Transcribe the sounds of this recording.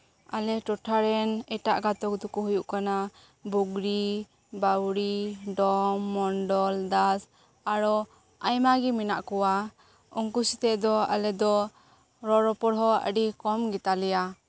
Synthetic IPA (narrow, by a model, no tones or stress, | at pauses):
alɛʈɔʈʰaɾɛnɛʈaʔɡat̪ɔk̚d̪ɔkuɦujuʔkana | buɡɾi | bawɾiɖɔmːɔnɖɔld̪as | aɾɔ | ajmaɡiminaʔkɔwa | ɔŋkusit̪ɛʔd̪ɔa̰lɛd̪ɔ | ɾɔɾɔpɔɽɦɔə̰ɖikɔmɡit̪alɛja